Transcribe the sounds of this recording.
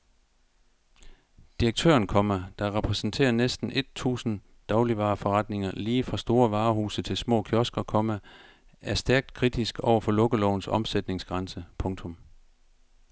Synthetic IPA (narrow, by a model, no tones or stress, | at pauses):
d̥iʁɐɡ̥̚t͡sʰø̰ːɐnkʰɒ̽mæd̥ɑ̈ʁɛpʰʁɛsn̩t͡sʰe̝̰ːɐnesd̥n̩ʔe̝d̥̚t͡sʰṵːsn̩ | d̥ɑ̈ʊliʋɑ̈ːfɒʁɑd̥ne̝ŋɐliːfʁɑ̈sd̥o̝ːɐʋɑ̈ːɦuːsət͡sʰe̝lsmɔ̰ːkʰjɒsɡ̥ɐkʰɒ̽mæ | ʔæɐsd̥æɐɡ̥̚d̥̚kʰʁid̥isɡ̥ɒʊ̰ɐfɒ̽lɔ̽ɡ̥əlɒʊn̩sɒ̽msed̥ne̝ŋsɡ̥ʁɑ̈nsəpʰɔ̽ŋt͡sʰɔ̽m